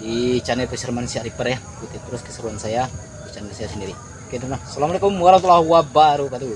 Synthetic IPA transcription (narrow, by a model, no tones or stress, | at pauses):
it͡ʃanɛpəsərmansiaɾipəɾja | kut̪it̪əɾʊskə̥səɾuansaja | it͡ʃanɛsajasəndiɾi | kɛtnasalamalekʊmːuaɾat̪ulawabaɾukat̪u